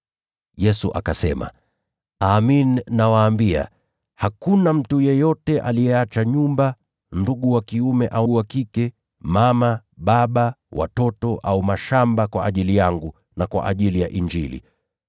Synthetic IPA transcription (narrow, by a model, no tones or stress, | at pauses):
jɛsuʔa̰kasɛma̰ | aːmininawaːmbia̰ | hakunam̩tujɛjɔtɛʔa̰lijɛat͡ʃaɲumba | nduɠuwakiumɛʔauuwakikɛ | mamaɓaɓawa̰tɔtɔʔaumaʃambakwaʔːʄilijaŋɡu | nakwa̰ʔaʄilijaʔiɲd͡ʒilḭ